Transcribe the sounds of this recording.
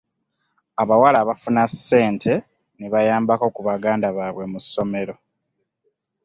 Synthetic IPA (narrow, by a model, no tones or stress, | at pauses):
aβawalaːβafunase̞ːntʰe̞ | neβajaːmbakokuβaɡaːndaβaːβwe̞musːo̞me̞ɾo̞